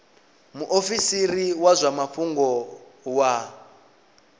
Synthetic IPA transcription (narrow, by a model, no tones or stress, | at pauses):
muʔofisiɾiwazʷamaɸuŋɡɔwa